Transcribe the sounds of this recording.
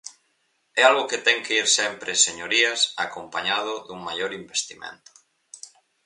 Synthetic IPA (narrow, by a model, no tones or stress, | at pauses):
ɛalɣoket̪ɛŋkeiɾsɛmpɾeseɲoɾiasakompaɲað̞ʊðuŋmajoɾimbest̪imḛ̃nt̪ʊ̥